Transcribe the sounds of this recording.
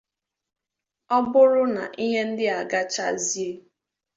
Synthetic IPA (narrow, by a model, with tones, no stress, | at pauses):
ɔ˦bʊ˦ɾʊ˦na̰˨ʔi˦ɦe˦n̩˦dɪ˦a˨ɡa˦t͡ʃa̰˦zi˦e˦